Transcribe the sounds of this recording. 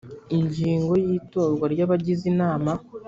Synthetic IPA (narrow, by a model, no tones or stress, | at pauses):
iɲɟiːŋɡo̞jiːto̞ːɾɡwaɾɟaβaɟizinaːma